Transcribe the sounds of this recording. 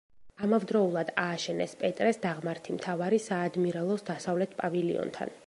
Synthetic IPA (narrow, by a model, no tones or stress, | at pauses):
amavd̪ɾɔulˠad̪aːʃɛnɛspʼɛt̪ʼɾɛsd̪aʁmaɾt̪ʰimt̪ʰavaɾisaːd̪miɾɛlˠɔsd̪asavlɛt̪ʰpʼavilḭɔ̰nt̪ʰa̰n